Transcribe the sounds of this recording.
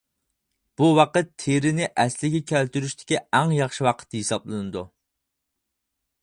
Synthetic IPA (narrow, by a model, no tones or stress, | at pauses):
b̥uwɑqət̪ʰːeɾɪnɪʔɛslɪɡʲɛkʲʰælt̪yɾyʃt̪ʰɪ̥kʲiæŋjɑχʃiwɑqʰə̥t̪ːhisɑblˠɨnɨd̪u